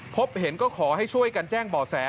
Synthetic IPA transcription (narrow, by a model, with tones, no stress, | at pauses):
pʰo˦˥p̚he˩˦nkɔː˥˩kʰɔː˩˦ha˥˩jt͡ɕʰu˥˩əjka˧nt͡ɕɛː˥˩ŋbɔː˨˩sɛː˩˦